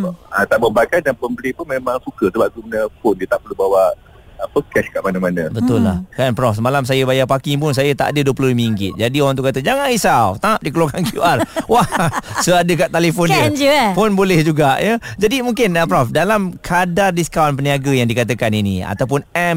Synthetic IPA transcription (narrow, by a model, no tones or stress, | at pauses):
at̪aʔbəbakadanponbəlipʊnmemãŋsukəsəbaʔ̚k̪umənəfondət̪aʔpəlubawaʔ | əpəkɛskaʔmanamanãbət̪ʊlːa̰hkanpɾɔfsəmalams̬ajəbajapakip̬ʊns̬ajət̪a̰ʔadəduəpluimiŋɡɪt̪̚d͡ʒadioɾaŋt̪uʔkat̪əd͡ʒaŋanisawt̪aŋap̚dikəluaŋkankjṵʔarwasoadəkaʔt̪alefɔnnd͡ʒəfonbolɛhd͡ʒuɡaʔjəd͡ʒadimuŋkɪnəpɾɔfdalamkʰadardiskawnp̬əniaɡəjaŋdikat̪əkaninḭa̰t̪awp̬ʊnɛm